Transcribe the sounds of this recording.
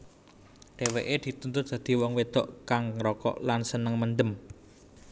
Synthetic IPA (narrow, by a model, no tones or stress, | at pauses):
ɖ̥e̤weʔed̪̥i̤t̪unt̪ʊt̪̚d̪̥ä̤d̪̥i̤wɔŋwed̪̥ɔʔkaŋɾɔkɔ̰ʔlansənəŋmənd̪əm